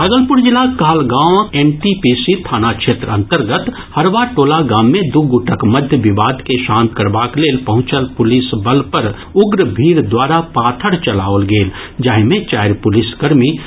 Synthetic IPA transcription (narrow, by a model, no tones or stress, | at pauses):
baɡəlpʊɾd͡ʒɪlːakaːlɡãːʋeːnʈipisit̪ʰaːnakʃeːt̪ɾə̃nt̪əɾɡət̪ | həɾʋaːʈoːlaɡaːmːẽd̪uɡʊʈʰəkməd̪ʱjəʋɪʋaːd̪keʃaːmkəɾbaːkleːlpəɦʊ̃t͡ʃəlpʊlɪsbəlpəɾ | ʊɡɾəbʱiːɾd̪waːɾapaːt̪ʰəɽt͡ʃəla̰ːolɡeːld͡ʒaːɦimẽt͡ʃaːɪɾpʊlɪsɡəɾmi